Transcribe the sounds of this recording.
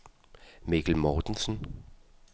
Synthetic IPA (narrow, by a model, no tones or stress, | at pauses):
mikʰl̩mɒːd̥n̩sn